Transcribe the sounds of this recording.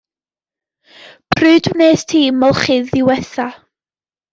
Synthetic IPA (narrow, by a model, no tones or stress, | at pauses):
pʰrɨːdmneːstʰiːmɔlˠχɪðɪwɛθa